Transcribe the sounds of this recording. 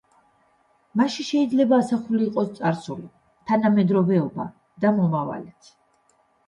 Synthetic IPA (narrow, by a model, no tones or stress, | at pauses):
maʃiʃɛid̪zlɛbaːsaχuliːqʼɔst̪sʼaɾsuli | t̪ʰanamɛd̪ɾɔvɛɔba̰ | d̪amɔmava̰lɛt̪ʰ